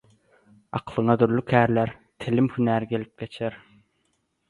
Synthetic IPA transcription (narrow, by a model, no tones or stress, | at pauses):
ɑ̰qʰlˠɯɴɑd̪yɾlykʲʰæːɾlæɾt̪ʰɪlɪmhynæːɾɡʲelip̚kʲet͡ʃʰeɾ